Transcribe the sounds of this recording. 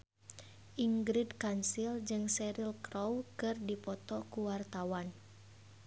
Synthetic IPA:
ʔiŋɡɾidkansild͡ʒɨŋsɛɾilkɾowkɨrdipɔt̪ɔkuwart̪awan

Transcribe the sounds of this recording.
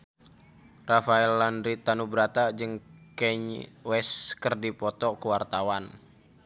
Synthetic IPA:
rafaɛlːandɾit̪anubɾat̪ad͡ʒɨŋkɛɲwɛskərdipɔt̪ɔkuwart̪awan

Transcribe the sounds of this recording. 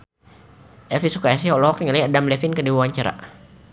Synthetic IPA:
ʔɛfisukaɛs̬iɦɔʔlɔɦɔk̚iŋəliadamlɛfinkədiwuwaɲt͡ʃaɾa̰ʔ

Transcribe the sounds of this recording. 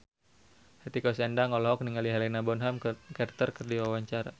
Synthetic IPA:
hɛt̪ikɔsɛndaŋɔlɔɦɔk̚niŋaliɦɛlɛnabɔnɦamkɛrt̪ərkərdiwawaɲt͡ʃaɾa̰

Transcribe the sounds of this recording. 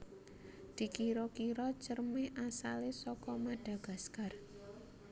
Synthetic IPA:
d̪̥i̤kiɾɔkiɾɔt͡ʃərmeʔasalesɔkɔmaɖ̥ä̤ɡ̥a̤skar

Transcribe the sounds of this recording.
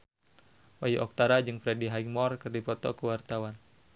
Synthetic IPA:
wajuʔɔk̚t̪aɾad͡ʒɨŋfɾɛdiɦaimɔrkɨrdipɔt̪ɔkəwart̪awan

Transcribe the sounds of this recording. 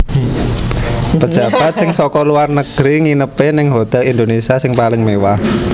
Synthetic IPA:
pəd̥ʒ̥a̤b̥at̪̚sɪŋsɔkɔluarnəɡ̥ɾiŋinəpenɪŋɦot̪ɛlind̪onesiasɪŋpalɪŋmewah

